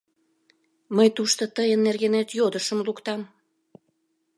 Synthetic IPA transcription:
məjt̪uʃt̪ot̪əjənːerɣenet̪jod̪əʃəmlukt̪ɑm

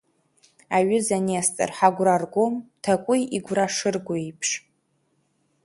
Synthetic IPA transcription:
aɥʊzaniast͡sʼɨ̰rħaɡʷrarɡʷomtʰakʷʼʊjiɡʷraʂɨrɡʷoipʰʂ

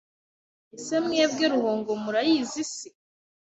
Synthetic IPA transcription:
isemŋeːb̚ɡeɾuhoːŋɡomuɾajiːzisi

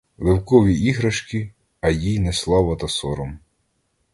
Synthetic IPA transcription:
lˠewkɔʋʲiiɦɾɐʃkʲi | ɐjijnɛslˠɑʋɐt̪ɐsɔɾɔm

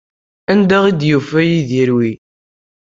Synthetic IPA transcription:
ænd̪æʁid̪jufæjiðiɾwi

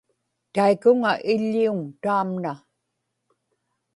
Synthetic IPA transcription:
t̪aikʊŋaʔɪʎːiuŋt̪aːmna

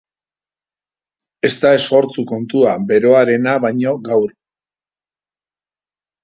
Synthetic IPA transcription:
e̞st̪ae̞so̞ɾt͡suko̞nt̪uabe̞ɾo̞aɾe̞naβajɲo̞ɡawɾ

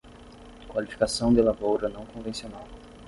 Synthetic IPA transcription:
kwalifi̥kasɐ̃w̃d̪elavowɾɐnɐ̃w̃kõvẽsionaw

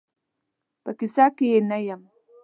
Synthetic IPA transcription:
pakisakijenajam

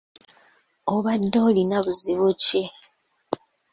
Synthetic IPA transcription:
oβadːolinaβuziβuce

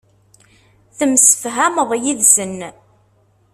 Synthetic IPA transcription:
θəmsə̥fɦæməðˤjiðsən

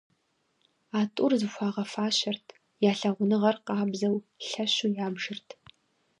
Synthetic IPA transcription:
aːtʼʊrzɨxʷɑːʁɐfaːɕɐrtʰ | jaːɬɐʁʷʊnɨʁɐrqɑːbzɐwɬɐɕujaːbʒɨrtʰ

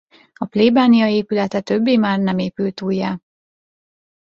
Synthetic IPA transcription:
ɒpleːbaːnijɒeːpylɛt̪ɛt̪øbːeːmaːrnɛmeːpylt̪uːjːaː

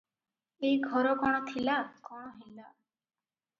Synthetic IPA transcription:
eiɡʱɔɾɔkɔɽ̃ɔt̪ʰilakɔɽ̃ɔɦila

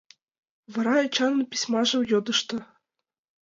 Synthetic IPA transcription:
vɤ̆ɾɑet͡ɕɑnːɤpʲi̥sʲmɑʒɤ̆mjod̪ɤ̆ʃt̪ɤ̆

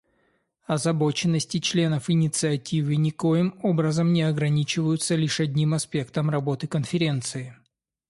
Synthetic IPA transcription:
ɐzɐbo̞t͡ɕɪnːəsʲtʲɪt͡ɕlʲe̞nəfɪnʲɪt̪sɨɐtʲivɨnʲɪko̞jɪmobɾəzəmnʲɪɐɡɾɐnʲit͡ɕɪvəjʊt̪səlʲiʂɐdʲnʲimɐspʲe̞kt̪əmrɐbo̞t̪ɨkənfʲɪɾʲe̞nt̪sɨɪ

